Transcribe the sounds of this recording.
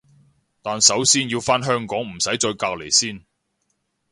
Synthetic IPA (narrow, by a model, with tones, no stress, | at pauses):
t̪aː˨nsɐ˨˥wsiː˥njiː˧wfaː˥nɦœː˥ŋkɔː˨˥ŋm̩˨˩sɐ˨˥jt͡ʃɔː˧jkaː˧k̚le˨˩jsiː˥n